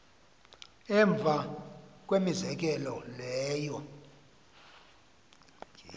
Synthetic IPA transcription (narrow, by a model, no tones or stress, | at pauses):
ɛɱb̪vʱakʼwemizɛk̬ʼɛlɔlɛːjɔ